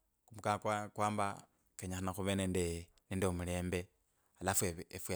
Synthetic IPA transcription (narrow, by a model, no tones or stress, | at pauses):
kumukakwakwaːmba | keɲaxanaxuβeneːnde | nendeumuleːmbe | alafweefwe